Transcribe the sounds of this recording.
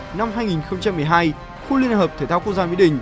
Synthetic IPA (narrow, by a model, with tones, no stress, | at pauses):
na˧mɦaː˧jŋi˨˩nxə˧wŋ͡mt͡ɕa˧mːɨ˨˩əjɦaː˧j | xu˧˦li˧ənhəː˨˩p̚t̪ʰe˨˩t̪aː˧k̚zaː˧wi˧˥ɗï˨˩ŋ̟